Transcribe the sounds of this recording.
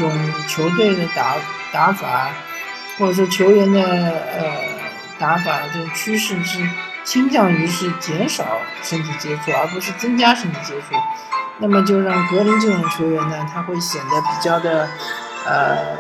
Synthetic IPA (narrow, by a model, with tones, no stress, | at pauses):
ʈ͡ʂʊ˨˩ŋt͡ɕʰjo˧˥ʊt̪we˥˩ɪd̪ə˩t̪a˧˥t̪a˧˥fa̰˨˩˦ | xwɔ˥˩ʈ͡ʂə˨˩ʂwɔ˥t͡ɕʰjo˧˥ʊɥɛ˧˥nd̪ə˧ə˧ | t̪a˧˥fa˨˩t͡ɕjo˥˧ʊʂt͡ɕʰy˥ʂɻ̩˥˧ʂɻ̩˥˧t͡ɕʰi˥ŋt͡ɕjɑ˥˩ŋy˧˥ʂɻ̩˥˩t͡ɕjɛ˧˥nʂɑ˨˩˦ʊʂə˥ŋt̪ʰi˧˥˩t͡ɕjɛ˥ʈ͡ʂʰu˥˩ə̰˞˧˥p̬u˧˥ʂɻ̩˥˩t͡sɤ˥ŋt͡ɕja˥ʂə˥ŋt̪ʰi˧˩t͡ɕjɛ˥ʈ͡ʂʰu˥˩na˥˩mə˩t͡ɕjo˥˧ʊɻɑ˥˩ŋkɤ˧˥li˧˥nʈ͡ʂɤ˥˩ʈ͡ʂʊ˨˩ŋt͡ɕʰjo˧˥ʊɥɛ˧˥nnə˧t̪ʰa˥xwe˥˩ɪɕjɛ˨˩nd̪ə˦pi˨˩t͡ɕjɑ˥˩ʊd̪ə˩ | ə̰˧